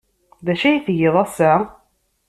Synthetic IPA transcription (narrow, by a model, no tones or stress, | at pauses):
ðæʃæjiθjeðˤæsæ